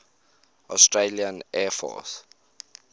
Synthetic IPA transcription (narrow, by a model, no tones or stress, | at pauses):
ʔɔstɹeliə̃nɛːfɔ̰s